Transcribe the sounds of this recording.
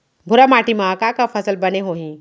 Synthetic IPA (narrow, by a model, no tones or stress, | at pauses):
bʱʊɾamaːʈimãkakafʰəsəlbɐneɦoːɦĩ